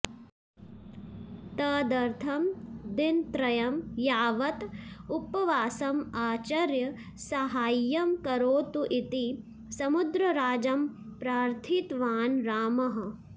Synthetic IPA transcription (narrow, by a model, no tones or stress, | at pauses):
t̪ɐːd̪ɐɾt̪ʰɐmd̪int̪ɾɐjɐmjaːʋɐt̪upɐʋaːsɐmaːt͡ʃɐɾjɐ | sɐɦaːjːɐmkɐɾoːt̪uʔit̪i | sɐmud̪ɾɐɾaːd͡ʒɐmpɾaːɾt̪ʰit̪ʋaːnɾaːmɐɦɐ̆